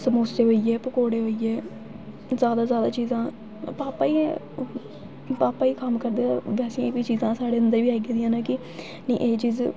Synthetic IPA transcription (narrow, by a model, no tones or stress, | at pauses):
səmoːseːɦoiːɛːpəkoːɽeːɦoiːɛː | zjaːd̪aːzjaːd̪aːt͡ʃiːzãː | paːpaːiː | paːpaːiːkəmkəɾd̪aːʋɛːsẽeːbiːt͡ʃiːzãːsaːɽeːənd̪əɾʋiːaiɡeːd̪ijãːnãːkɪ | nə̰̃ːʔeːt͡ʃiːz